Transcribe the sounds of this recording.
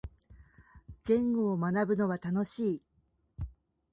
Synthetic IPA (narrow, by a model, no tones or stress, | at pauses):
ɡ̥ẽ̞ŋɡo̞ːmanabɯ̟no̞βat̪ano̞ɕiː